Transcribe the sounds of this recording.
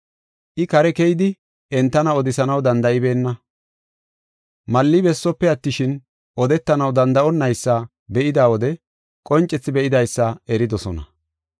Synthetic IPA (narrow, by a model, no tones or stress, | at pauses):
ʔɪkɐɾɛkɛjd̪ɪ | ɛnt̪ːɐnɐɔd̪ɪsɐnɐwd̪ɐnd̪ɐʔɪbe̞ːnːɐ | mɐlːɪbɛsːɔpːɛɐt̪ːɪʃɪn | ɔd̪ɛt̪ːɐnɐwd̪ɐnd̪ɐʔɔnːɐjsːɐ | bɛʔɪd̪aːwɔd̪ɛ | kʼɔnt͡ʃʼːɛt͡sːɪbɛʔɪd̪ɐjsːɐɛɾɪd̪ɔsɔnɐ̰